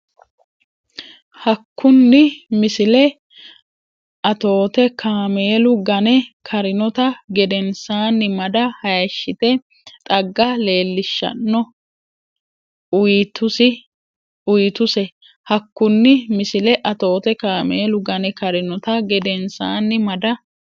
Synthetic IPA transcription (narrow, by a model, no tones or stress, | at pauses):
hɐkʰːʊnːɪmɪsɪlɛ | ɐt̪o̞ːt̪ɛkʰaːme̞ːlʊɡɐnɛkʰɐɾɪnɔt̪ɐɡɛd̪ɛnsaːnːɪmɐd̪ɐhɐjɐʃːɪt̪ɛ | t̪ʼɐɡːɐle̞ːlːɪʃːɐ̰nːɔ | ʊjit̪ʊsɪ | ʊjt̪ʊsɛ | hɐkːʊnːɪmɪsɪlɛʔɐt̪o̞ːt̪ɛkaːmeːlʊɡɐnɛkɐɾɪnɔt̪ɐɡɛd̪ɛnsaːnːɪmɐd̪ɐ